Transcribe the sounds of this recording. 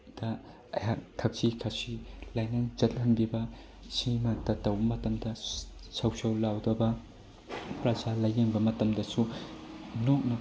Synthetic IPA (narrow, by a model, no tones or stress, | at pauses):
d̥ɐ | ɐ̰jak̚tʰɐk̚sikʰɐsilajnɐd͡ʒɐt̚hɐnbibɐ | simɐtɐtːɐwbɐmɐtɐmdɐsɐwsɐwlawdɐbɐ | pɾɐd͡ʒalɐjeŋbɐmɐtɐmdɐsu | nok̚nɐ